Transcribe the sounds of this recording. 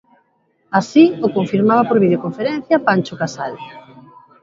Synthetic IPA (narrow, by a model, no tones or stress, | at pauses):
asiokoɱfiɾmaβ̞apoɾβiðjokoɱfeɾɛn̟θjapant͡ʃʊkasal